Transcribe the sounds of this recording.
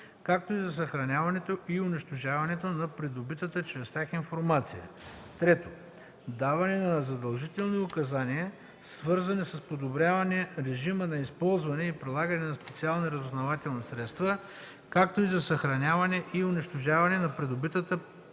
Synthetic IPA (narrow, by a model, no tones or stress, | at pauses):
kak̚t̪oizɐsɐxɾɐnʲavɐnɛt̪oʔiʊnɛʃt̪oʒavɐnɛt̪onɐpɾɛd̪obit̪ət̪ət͡ʃɾɛst̪ʲjaxinfoɾmat̪sijə̰ | t̪ɾɛt̪o | d̪avɐnɛnɐnɐzɐd̪ɐlˠʒit̪ɛlˠniʊkɐzaniɛ | svɤɾzɐnisɐspod̪obɾjavɐnɛɾɛʒimənɐispɔlˠzvɐnɛipɾilˠaɡɐnɛnɐspɛt̪sialˠnɐɾɐzʊznɐvat̪ɛlˠnɐsɾɛt̪st̪və | kak̚t̪oizɐsɐxɾɐnʲavɐnɛʔiʊnɛʃt̪oʒavɐnɛnɐpɾɛd̪obit̪ət̪ə